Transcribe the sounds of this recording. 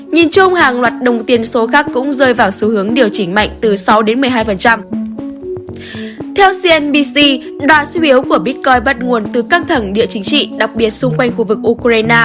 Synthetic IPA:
ɲi˨˩nt͡ɕʊ˧ŋ͡mhaː˨˩ŋlwaː˨˩t̚ɗə˨˩wŋ͡mt̪i˨˩ənso˨˦xaː˦˥kːʊ̰˧˥ŋ͡mzəː˧jvaː˨˩wsu˨˧˦hɨ˨˦əŋɗi˨˩əwt͡ɕï˧˩ŋ̟ma̰˧˨jŋ̟t̪ɨ˨˩sa˨˦wɗe˨˦nmɨ˨˩əjɦaː˧jfə˨˩nt͡ɕa˧m | t̪ʰɛ˧wsi˧ɛ˧nɓi˧si˧ | ɗwaː˧˨˩su˧˦ʔi˨˦əwku˧˩əɓi˦˥t̚kɔ˧jɓə˦˥t̚ŋu˨˩ənt̪ɨ˨˩kaː˦˥k̚t̪ʰə˧˩ŋɗḭ˧˨ət͡ɕï˨˦ŋ̟t͡ɕḭ˧˨ɗa˨˩k̚ɓi˨˩ət̚sʊ˧ŋ͡mkwa˧jŋ̟xu˧vɨ˨˩k̚ʔu˧kɾaː˧jnaː˧

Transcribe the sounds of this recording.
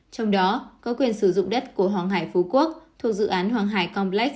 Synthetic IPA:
t͡ɕɔ˧wŋ͡mɗɔ˨˦kɔ˨˦kwi˨˩ənsɨ˧˩zʊ̰˧˨ŋ͡mɗə˦˥t̚ku˧˩əɦwaː˨˩ŋɦaː˧˩jfu˨˦ku˦˥ək̚t̪ʰu˨˩ək̚zɨ̰˧˨ʔaː˨˦nɦwaː˨˩ŋɦaː˧˩jkɔ˧mlɛ˦˥k̚

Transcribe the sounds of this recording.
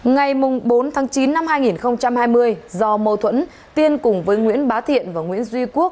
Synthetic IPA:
ŋa˨˩jmʊ˨˩ŋ͡mɓo˨˦nt̪ʰaː˨˦ŋt͡ɕi˨˦nːa˧mhaː˧jŋi˨˩nxə˧wŋ͡mt͡ɕa˧mhaː˧jmɨ˧əjzɔ˧mə˧˩wt̪ʰwə̰˧˥n | t̪i˧ənkʊ˨˩ŋ͡mvəː˨˦jŋwḭ˧˥ənɓaː˨˦wt̪ʰḭ˧˨ənvaː˨˩ŋwḭ˧˥ənzwi˧ku˦˥ək̚

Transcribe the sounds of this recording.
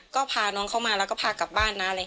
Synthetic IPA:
kɔː˥˩pʰaː˧nu˧˥əŋkʰa˥˩wmaː˧lɛ˦˥wkɔː˥˩pʰaː˧ka˨˩p̚baː˥˩nːa˦˥la˧j

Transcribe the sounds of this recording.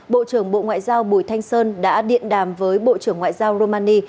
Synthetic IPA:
ɓo̰˧˨t͡ɕɨ˧˩əŋɓo̰˧˨ŋwa̰ː˧˨jzaː˧wɓu˧˩jt̪ʰa˧jŋ̟səː˧nɗa̰ː˧˥ɗḭ˧˨ənɗaː˨˩mvəː˨˦jɓo̰˧˨t͡ɕɨ˧˩əŋwa̰ː˧˨jzaː˧wɾo˧maː˧ni˧

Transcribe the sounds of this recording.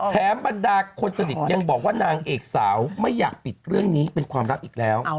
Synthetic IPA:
t̪ʰɛː˩˦mba˧ndaː˧kʰo˧nsa˧ni˨˩t̪̚ja˧ŋbɔː˨˩k̚waː˥˩naː˧ŋʔeː˨˩k̚saː˩˦wma˥˩jːaː˨˩k̚pi˨˩t̪̚ɾɯ˥˩əŋniː˦˥pe˧nkʰwaː˧mɾa˦˥p̚ʔiː˨˩k̚lɛː˦˥w

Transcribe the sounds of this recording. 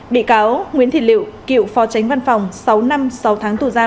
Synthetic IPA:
ɓḭ˧˨kaː˨˦wŋwḭ˧˥ənt̪ʰi˧˨˩lḭ˧˨əwkḭ˧˨əwfɔ˨˦t͡ɕa˨˦jŋ̟va˧nfa˨˩wŋ͡msa˨˦wna˧msa˨˦wt̪ʰaː˨˦ŋt̪u˧˩zaː˧

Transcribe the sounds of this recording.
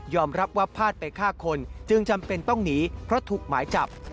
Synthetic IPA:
jɔː˧mɾa˦˥p̚wa˦˥pʰːaː˥˩t̪̚pa˧jkʰaː˥˩kʰo˧nt͡ɕɯ˧ŋt͡ɕa˧mpe˧nt̪ɔ˥˩ŋniː˦˥pʰɾɔ˦˥t̪ʰuː˨˩k̚maː˩˦jt͡ɕa̰˨˩p̚

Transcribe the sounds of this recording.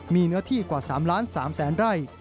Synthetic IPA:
miː˧nɯ˦˥ɐt̪ʰiː˥˩kwaː˨˩saː˩˦mlaː˦˥nsaː˩˦msɛː˩˦nɾa˥˩j

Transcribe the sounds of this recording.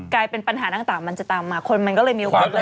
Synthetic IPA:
klaː˧jpe˧npa˧nɦaː˩˦t̪aː˧˩ŋt̪aː˨˩ŋma˧nt͡ɕa˨˩t̪aː˧mːaː˧kʰo˧nma˧nkɔː˥˩lɤː˧jmiː˧ʔo˨kːaː˨˧˩

